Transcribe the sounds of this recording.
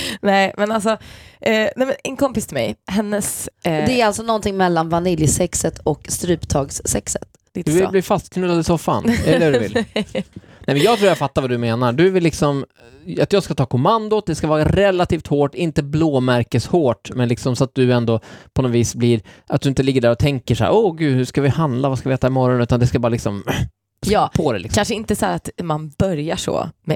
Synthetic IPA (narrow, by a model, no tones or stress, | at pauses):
nɛɪmɛnalsɔ | nɛjmɛnɛnkʰɔmpɪst̪ʰɪlmɛ̰jhɛnːəsd̪ɛæɾalt̪sɔnɔnt̪ʰɪŋmɛlːanvanɪljsɛksət̪ʰɔkst̪ɾʉ̟ːpt̪ʰɑːɡsːɛksə̥t̪ | d̪ɵvɪlbliːfast̪kʰnʉasɔfa̰nɛlːəd̪vɪ̰l | nɛjmɛnjɑɡt̪ʰɾuːjafat̪ːavad̪ɵmeːnaɖɵvɪlːɪksɔm | at̪jɑːɡskat̪ʰɑːkʰɔmand̪ʊt̪̚d̪ɛskavɑːɾaɾɛlːat̪ʰiːft̪hoːʈːɪnt̪əbloːmæɾkəshoːʈmɛnlɪksɔmsɔat̪̚d̪ɵɛnd̪ɔpʰɔnɔviːsbliɾʔat̪̚d̪ɵɪnt̪əlɪɡːəɖæːɾɔt̪ʰɛŋkəʂæ̰ːɾʔɔɡʉ̟ːd̪hʉʂkavɪhand̪lavaskavɪɛːt̪ːaɪmɔɾɔnʉ̟ːt̪and̪ɛskabɑːɾlɪksɔm | spʰɔd̪ɛ̰lɪkskanʂəɪnt̪əsæ̰ːɾat̪manb̥œɾjaʂɔ̰mɛ